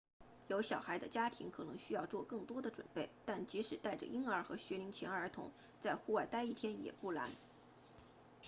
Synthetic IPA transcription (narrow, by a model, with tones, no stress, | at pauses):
jo˧˥ʊɕjɑ˨˩ʊxa˧˥ɪd̪ə˧t͡ɕja˥t̪ʰḭ˧˥ŋkʰɤ˨˩nɤ˧˥ŋɕy˥jɑ˥˧ʊt͡swɔ˥˧kɤ˥˩ŋt̪wɔ˥d̪ə˨ʈ͡ʂwə̰˨˩npe˥˩ɪt̪a˥˩nt͡ɕi˧˥ʂɻ̩˨˩t̪a˥˩ɪʈ͡ʂə̰˩ʔi˥ŋə˞˧˥xɤ˧˥ɕɥɛ˧˥li˧˥ŋt͡ɕʰjɛ˧˥nə˞˧˥t̪ʰʊ̰˧˥ŋ | t͡sa˥˧ɪxu˥˧wa˥˩ɪt̪a˥ɪi˥˩t̪ʰjɛ˥njɛ̰˨˩pu˥˩la̰˧˥n